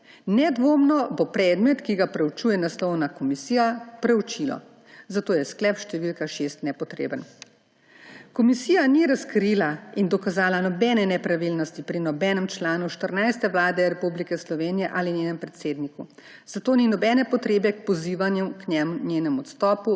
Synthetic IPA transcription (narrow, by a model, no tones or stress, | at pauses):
nɛd̪ʋoːmnɔbopɾɛːd̪mɛt̪kiɡapɾɛut͡ʃuːjɛnaslɔwnakɔmisiːjapɾɛut͡ʃilɔ̰ | zat̪oːjɛsklɛpʃt̪ɛʋilkaʃest̪nɛpɔt̪ɾḛːbən | kɔmisiːjaniɾaskɾilaind̪ɔkazaːlanɔbɛːnɛnɛpɾaʋilnɔst̪ipɾinɔbɛːnɛmt͡ʃlaːnuʃt̪əɾnajst̪ɛʋlaːd̪ɛɾɛpublikɛslɔʋeːnijɛʔalinjeːnɛmpɾɛt̪seːd̪niku | z̥at̪oːninɔbɛːnɛpɔt̪ɾeːbɛk̚pɔziːʋanjumknɛmnjeːnɛmɔt̪st̪ɔːpu